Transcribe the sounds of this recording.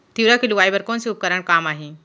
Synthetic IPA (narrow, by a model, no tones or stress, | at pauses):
t̪iʋɾakeluʋajbəɾkonsiup̚kəɾəɳ̃kaːmaɦi